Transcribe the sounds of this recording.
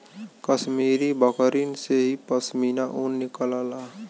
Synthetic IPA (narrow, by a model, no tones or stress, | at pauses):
kəsmiːɾibəkəɾinseɦipəsmiːnaʔunːɪkəlalaː